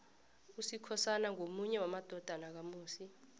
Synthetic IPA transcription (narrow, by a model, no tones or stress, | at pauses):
usikʰɔsanaŋomuɲɛwamad̥ʱɔd̥ʱanak̬amuːsi